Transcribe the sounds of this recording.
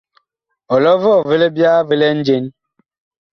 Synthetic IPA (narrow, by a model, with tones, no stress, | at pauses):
ɔ˨lɔ˦vɔ˦˨ve˦le˦bja˦ve˦lɛ˦n̩˦d͡ʒe˦n